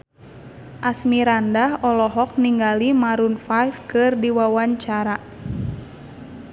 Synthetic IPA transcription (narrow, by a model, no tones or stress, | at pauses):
ʔasmiɾandahɔlɔɦɔk̚niŋɡalimaɾunfajfkɨrdiwawaɲt͡ʃaɾa